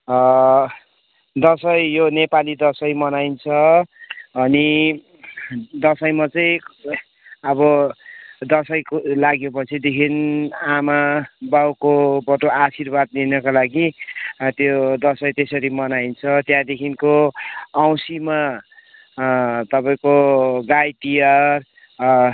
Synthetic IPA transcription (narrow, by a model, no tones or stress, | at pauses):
d̪ʌsʌjjonepalid̪ʌsʌjmʌnajnt͡sʰʌː | ni | d̪ʌsʌjmʌt͡sʌj̃ | ʌbʌ | d̪ʌsʌjkolaɡjopʌt͡sʰid̪ekʰinamabawkobʌʈoasirbad̪̚linʌkalaɡit̪jod̪ʌsʌjt̪esʌɾimʌnajnt͡sʰʌt̪jãd̪ekʰinkoaw̃sima | t̪ʌpaĩkoɡajʈijʌr